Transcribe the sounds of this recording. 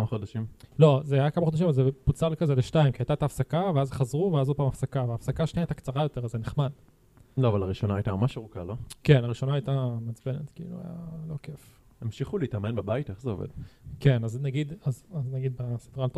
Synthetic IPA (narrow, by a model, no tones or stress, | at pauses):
amχod̪aʃimlo̞zeajakamaχo̞d̪aʃimvalzeput͡saʁlkazeleʃtaimkiajt̪aet̪aːfsakaveazχazʁuveazod̪̚paːmafsakaveaːfsakaaʃniajt̪akt͡saʁajo̞t̪e̞ʁazeneχmad | loavalaʁiʃo̞naajt̪amamaʃeʁukaloke̞naʁiʃo̞naajtamat͡sbenet̪kiḭlṵa̰j̰a̰lo̞kef | emʃiχuliitamenbebaiteχzeo̞̰vḛd̥ke̞naznaɡid̪azaznaɡid̪̚basedʁalt